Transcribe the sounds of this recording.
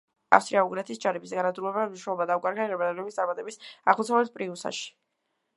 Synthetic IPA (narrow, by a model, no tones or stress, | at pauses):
a̰fst̪ʼɾiauɡɾɛt̪ʰisd͡ʒaɾɛbisɡanad̪ɾulɛbamniʃɛlɔbad̪aukʼaɾɡaiɾɛbɛd̪alɛbist̪sʼaɾmat̪ʼɛbisa̰χmut̪sʰavɛt̪̚pʼɾiusa̰ʃi̥